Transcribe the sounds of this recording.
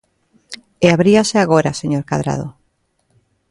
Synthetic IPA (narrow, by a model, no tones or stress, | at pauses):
eaβɾiaseaɣ̞oɾaseɲoɾkaðɾa̰ð̞o̰